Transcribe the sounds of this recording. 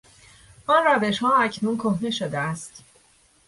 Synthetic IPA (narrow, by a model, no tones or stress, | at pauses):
ʔɒːnræve̞ʃhɒːæcʰnuːnkʰohneʃod̪eæst̪